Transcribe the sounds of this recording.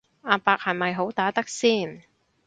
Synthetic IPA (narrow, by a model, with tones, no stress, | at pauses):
ʔaː˧paː˧k̚hɐ˨jmɐ˨jɦo˨˥wt̪aː˨˥t̪ɐ˥k̚siː˥˩n